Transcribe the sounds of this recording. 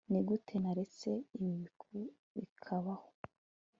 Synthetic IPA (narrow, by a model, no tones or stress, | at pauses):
niɡutʰe̞naɾe̞t͡se̞iβiβikʰu | βḭkʰaβaho